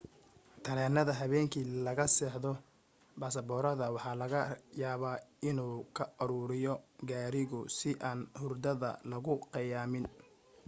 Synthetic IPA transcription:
t̪ʰɐɾɛːnɐðɐɦɐβɛːŋkʰiːlɐɣɐsɛːħdɔ | baːsɐbɔːɾɐðɐwɑħɑːlɐɣɐjaːβaːɪnuːkʰɐɐɾuːɾɪjɔɡaːɾɪɣʊsɪʔaːnhʊrd̪ɐðɐ̰lɐɣʊqɑjaːmɪn

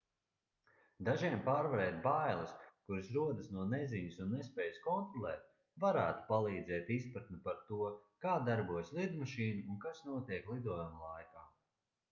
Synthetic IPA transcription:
d̪aʒiɛmpaːɾvaɾɛːt̪̚bajlˠɐskuɾsɾuɔd̪ɐsnuɔnɛziɲusunːespɛːjskɔnt̪ɾɔlˠɛ̰ːt̪̚ | vaɾæːt̪u̥palˠiːd̪zɛːt̪ispɾat̪nipaɾt̪uɔkaːd̪aɾbuɔjslˠid̪maʃiːnuːnkasnuɔt̪iɛklˠid̪uɔjumlˠajkaː

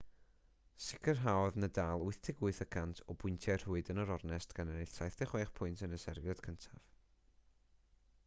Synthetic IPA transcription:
sɪkʰərɦaɔðnədaːlˠʊɨθtʰɪɡʊɨθəkʰantʰɔbʊɨntʰjɛr̥uːɨdənəɾɔrnɛstɡ̥anənɪɬsʰajθd̥ɛχweːχpʰʊɨntʰənəsɛrvjɔd̥kʰəntʰav̥

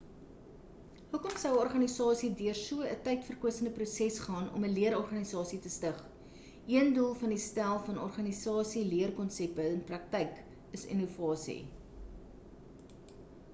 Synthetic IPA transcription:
ɦukɔmsəwəɔrχɐnisɑːsidyərsuəətɛjtfərkuəsəndəprusɛsχɑːnɔ̰məliəɾɔrχɐnisɑːsitəstəχ | ʔiəndulˠfɐndistælˠfɐnɔrχɐnisɑːsiliərkɔnsɛp̚əənprɐk̚tɛjk | əsḭnuvɑːsḭ

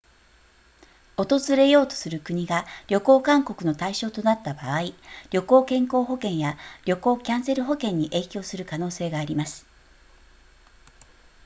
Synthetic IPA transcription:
o̞t̪o̞zɨɾe̞jo̞ːt̪o̞̥sɨɾɯ̟kɯ̟ɲ̟iɡaɾʲo̞ko̞ːkãŋko̞kɯ̟no̞t̪aiɕo̞ːt̪o̞nat̪ːabaːiɾʲo̞ko̞ːkẽ̞ŋko̞ːɦo̞kẽ̞ɰ̃jaɾʲo̞ko̞ːkʲãɰ̃se̞ɾɯ̟ɦo̞kẽ̞ɲ̟ːiʔe̞ːkʲo̞ːsɨɾɯ̟kano̞ːse̞ːɡaːɾʲimasɨ̥

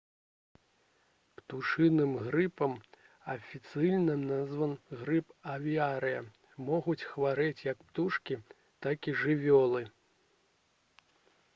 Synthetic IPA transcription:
pt̪uʂɨnɨmɣɾɨpɐm | ɐfʲit̪sɨjnɐmnazvɐnɣɾɨpɐvʲiaɾɨjɐ | mɔɣut͡sʲxvaɾɛt͡sʲjɐkpt̪uʂkʲi | t̪akʲiʐɨvʲɔlˠɨ

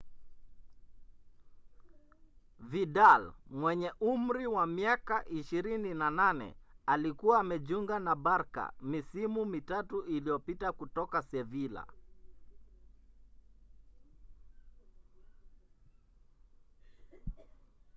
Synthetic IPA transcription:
vidalmwɛɲɛʔum̩ɾiwamiakaʔiʃiɾininananɛ̰alikuwaːmɛʄuŋɡanabaɾka̰misimumitatuilijɔpitakutɔkasɛvila̰

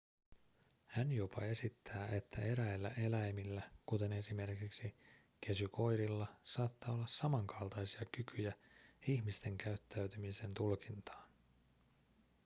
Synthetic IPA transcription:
hænjopɑ̰e̞sit̪ːæːʔe̞t̪ʰːæe̞ɾæelːæ̰ʔe̞læjmilːækut̪e̞ne̞sime̞rkiksi | k̟ʰe̞syko̞jɾilːɑsɑːt̪ːɑːo̞lːɑssɑmɑŋkʰɑlˠt̪ɑjsiɑkykʰyjæiçmist̪e̞ŋkæyt̪ːæyɥt̪ymise̞nt̪ulkint̪ɑ̥ːn

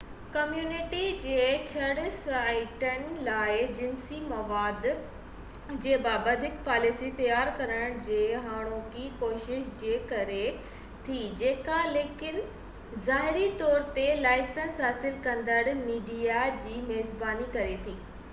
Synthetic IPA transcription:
kɐmjuːnɪʈid͡ʑeːt͡ɕʰɐɽɪsɾaːɪʈən̆laːɪd͡ʑɪnsimɐʋaːd̪ | d͡ʑeːbaːbəd̪ʱɪkpaːlɪsit̪ɐjaːɾkɐɾəɽ̃d͡ʑeːɦaːɽ̃õkiːkoːʃɪʃd͡ʑeːkɐɾe | t̪ʰid͡ʑeːkaleːkɪn | zaːɦɪɾit̪ɔːɾt̪elaːɪsənsɦaːsɪlkɐ̃nd̪əɽmiːɖijad͡ʑiːmeːzbaːnikɐɾet̪ʰiː

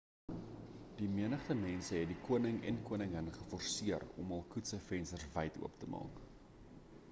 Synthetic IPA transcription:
d̥imiənəχtəmɛnsəɦɛt̚dikuənəŋɛ̰nkuənəŋənχəfɔrsiərɔ̰mɐlˠkutsəfɛnstərsvɐjtṵəptəmɑ̰ːk

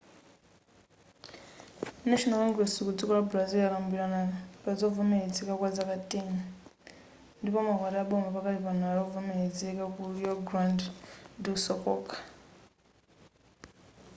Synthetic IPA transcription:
naʃɔnalɔŋɡɾɛsikud͡zikɔɺabulazɛakambiɺanapad͡zɔvɔmɛed͡zɛkakwad͡zakatʼeni | ndipɔmakwataaɓɔmbapakatipanaaɺɔvɔmɛɦed͡zɛkakuijɔɡɾandndiusɔkʼɔːkʰʼḁ

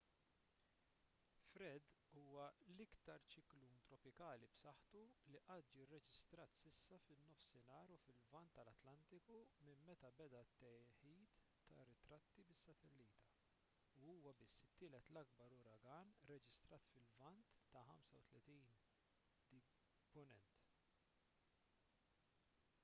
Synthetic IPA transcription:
fɾɛd̪uːwɐlɪkt̪ɐɾt͡ʃɪklunt̪ɾɔpɪkɐːlibsɐħt̪uliʔɐt̪̚ːd͡ʒiːrːɛd͡ʒɪst̪ɾɐːt̪sɪsːɐfɪnːɔfsɪnɐːɾufɪlvɐnt̪ːɐlɐt̪lɐnt̪ɪkumɪmmɛt̪ɐbɛd̪ɐt̪ːɛjħiːt̪ː | ɐ̰rːɪt̪ɾɐt̪ːibɪsːɐt̪ɛlːiːt̪ɐ | uuːwɐbɪsːɪt̪ːɪːlɛt̪lɐɡ̚bɐɾʊɾɐɡɐːnɾɛd͡ʒɪst̪ɾɐːt̪fɪlvɐnt̪ːɐħɐmsɐwt̪lɛt̪iːn | d̪̥i | pʊnɛnt̪

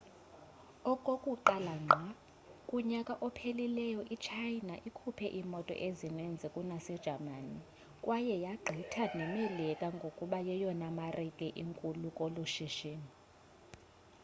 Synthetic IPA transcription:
ɔkʼokʼuǃalaŋ͡ǃʱa | kʼuɲakʼaʔɔpʰelilɛjɔʔit͡ʃʰajnaʔikʰupʰɛʔimɔtʼɔ̰ʔezinend͡zʱɛkʼunasɛd̥ʒ̥ʱamani | kʼwajɛjaɡ͡ǃʱitʰanɛmelɛkʼaŋɡʱokʼuɓajɛjɔnamarikʼɛʔiŋkʼulukʼoluʃiʃiːni

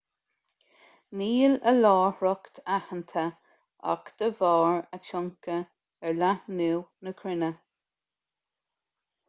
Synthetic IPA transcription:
niːləlɑːhɹɔkt̪ʰahənt̪ʰə | a̰kd̪̥əvɑːɹəʃɔŋkə | ɛɹlanuːnəkʰɾɪnə

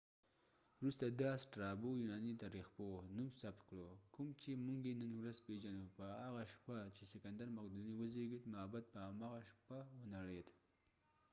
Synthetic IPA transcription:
ɾust̪ad̪ɑsʈɾɑbojunɑnit̪aɾixponumsabt̪̚kɽokumt͡ʃemuŋɡjenənwɾazpeʒanupəɦaɣaʃpat͡ʃesɪkand̪aɾmaqd̪uniwəzeɡit̪maabat̪̚pəamaɣaʃpawənaɽed̪

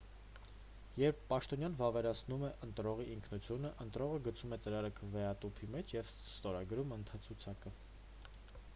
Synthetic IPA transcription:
jɛɾpʰːɑʃt̪ɔnjɑnvɑvɛɾɑt͡sʰnumɛʔənt̪ɾɔʁiʔiŋkʰnut͡sʰjunəʔənt̪ɾɔʁəɡət͡sʰumɛt͡səɾɑɾəkʰəvɛɑt̪upʰimɛt͡ʃʰjɛvst̪ɔɾɑɡɾumənt̪ʰɑt͡sʰut͡sʰɑkə

